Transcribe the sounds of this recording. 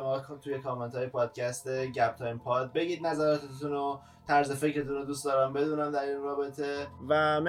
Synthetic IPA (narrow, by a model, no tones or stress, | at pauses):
mɒkt̪ʰujekʰɒːment̪ʰɒːjepʰɒːd̪̥̚cʰæst̪eɟæb̥̚t̪ʰɒːjmpʰɒːd̪̚be̞ɟiːd̪næzæɾɒːt̪ʰet̪uno | t̪ʰæɾzefe̞cɾe̞t̪ʰunod̪uːstd̪ɒːɾæmbe̞d̪uːnæmd̪æɾinrɒːbe̞t̪ʰe̞væm